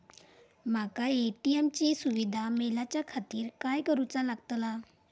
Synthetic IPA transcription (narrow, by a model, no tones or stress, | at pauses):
makaeʈiemt͡ɕiːsuʋid̪ʱamelat͡ɕjakʰat̪iːɾkajkəɾut͡salaɡt̪la